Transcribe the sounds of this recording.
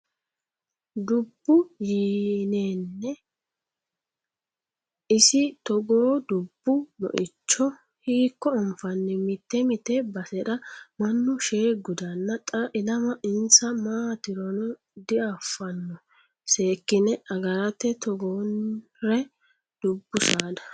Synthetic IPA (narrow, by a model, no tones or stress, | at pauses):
d̪ʊbːʊjiːneːnːɛ | ɪsɪt̪ɔɡoːd̪ʊbːʊnɔ̰ʔɪt͡ʃːɔ | hiːkːɔɔmfɐnːɛmɪt̪ːɛmɪt̪ɛbɐsɛɗɐmɐnːʊʃeːɡʊd̪ɐnːɐt̪ʼɐʔɪlɐmɐʔɪnsɐmaːt̪ɪɾɔnɔ | d̪ɪafːɐnːɔ | se̞ːkːɪnɛɐɡɐɾɐt̪ːɛt̪ɔɡoːn | ɾɛ | d̪̥ʊbːʊsaːd̪ɐ̥